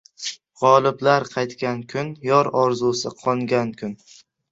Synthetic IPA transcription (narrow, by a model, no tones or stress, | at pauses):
ʁɒlˠɪblaɾqʰɑjt̪kʲankʲʰʊnjɒɾɒɾzusɪqʰɒŋɡʲankʲʰʊn